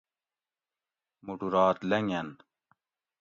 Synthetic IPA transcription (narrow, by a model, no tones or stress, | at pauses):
muʈuɾaːt̪lɐŋɐn